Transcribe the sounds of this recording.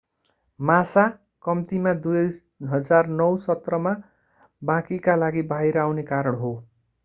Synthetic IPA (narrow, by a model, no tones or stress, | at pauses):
masa | kʌmt̪imad̪u | ɦʌd͡zarnʌwsʌt̪rʌma | bãkikalaɡibʱajɾʌawnekaɾʌɽɦo